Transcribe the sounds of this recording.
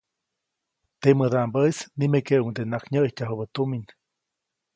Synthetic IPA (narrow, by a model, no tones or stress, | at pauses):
t̪eməd̪aʔmbəisnimekeʔuŋd̪enakɲəʔhcʲaɦubət̪umin